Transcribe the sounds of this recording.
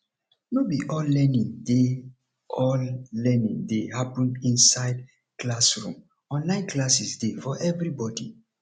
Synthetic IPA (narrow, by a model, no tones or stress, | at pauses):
nobiʔɔllɛnĩnde | ʔɔlːɛnĩŋdehapũnĩnsaɪd | klasɹṵ̃m | ɔ̃nlãɪ̃nklasisdefɔʔɛvɾibɔdḭ